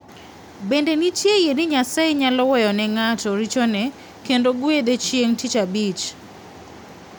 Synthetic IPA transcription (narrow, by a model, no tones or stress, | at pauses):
bendenitjejenɪɲasaeɲalɔwɛjɔnɛŋatɔɾit͡ʃonɛ | kendoɡwed̪et͡ʃjeŋtit͡ʃabit͡ʃ